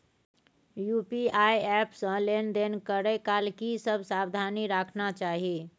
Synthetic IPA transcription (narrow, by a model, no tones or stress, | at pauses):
jupiaiɛpsə̃lend̪enkəɾɛkalkisəbʱsabd̪ʱaniɾakʰnat͡ʃaːɦi